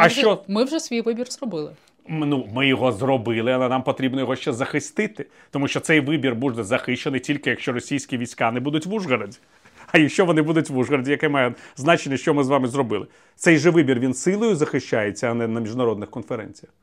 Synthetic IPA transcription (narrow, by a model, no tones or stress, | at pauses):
ɐʃt͡ʃɔmɪwʒɛsʲʋʲijʋɪbʲirzrɔbɪlˠɪ | numɪjɔɦɔzrɔbɪlˠɪɐlˠɛnɑmpɔt̪ɾʲibnɔjɔɦɔʃt͡ʃɛzɐxɪst̪ɪt̪ɪ | t̪ɔmuʃt͡ʃɔt̪sɛjʋɪbʲirbuʒɛzɐxɪʃt͡ʃenɪjtʲilʲkɪjɐkʃt͡ʃɔɾɔsʲijsʲkʲiʋʲijsʲkanɛbud̪ʊtʲʋuʐɣɐɾɐdʲi̥ | ɐjɐkʃt͡ʃɔʋɔnɪbud̪ʊtʲʋuʐɣɐɾɐdʲijɐkɛmɑjɛznɑt͡ʃenʲːɐʃt͡ʃɔmɪzʋɑmɪzrɔbɪlˠɪ | t̪sɛjʒɛʋɪbʲirʋʲinsɪlˠɔjʊzɐxɪʃt͡ʃajet͡sʲːɐɐnɛnɐmʲiʒʊnɐɾɔd̪nɪxkɔnfeɾɛ̰nʲt͡sʲijɐ